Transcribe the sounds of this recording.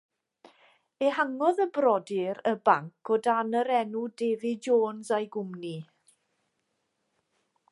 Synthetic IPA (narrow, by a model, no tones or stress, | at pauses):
ehaŋɔðəbrɔdɪɾəbaŋkʰodanəɾɛnudeːðɪd͡ʒoːnzajɡʊmni